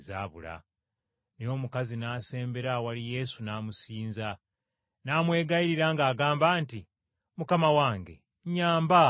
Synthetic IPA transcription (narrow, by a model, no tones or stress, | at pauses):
za̰ːβṵla̰ | nio̞ːmukazinaːse̞ːmbe̞ɾawalije̞sunaːmusiːnza | naːmwe̞ːɡaiɾiɾaŋɡaːɡaːmbaːnti | mukamawaːŋɡe̞̰ | ɲaːmba